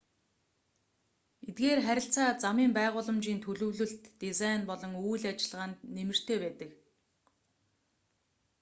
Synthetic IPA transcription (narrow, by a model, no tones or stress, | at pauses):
et̪̚ɡeːrχæɾʲɪ̆ɬt͡saːt͡samiːmpæːʁʊːɮə̆mt͡ɕiːnt̪ʰɵɮɵ̆wɮɵ̆ɬt̪ːizajnpɔɮɞ̆ŋujɮat͡ɕɪ̆ɮʁaːnt̪nemɘ̆r̥t̪ʰeːpæːt̪ə̆k